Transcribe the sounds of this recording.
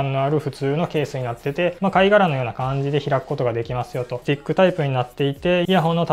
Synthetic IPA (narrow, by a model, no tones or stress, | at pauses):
nːo̞aɾɯ̟ɸɯ̟t͡sɨːno̞ke̞ːsɨɲ̟inat̪ːe̞t̪e̞makaiɡaɾano̞jo̞ːnakãɲ̟d͡ʑid̪e̞çiɾakɯ̥ko̞t̪o̞ɡad̪e̞kʲimasɨjo̞t̪o̞d͡ʑikːɯ̟t̪aipɯ̟ɲ̟inat̪ːe̞it̪e̞jaɦo̞nːot̪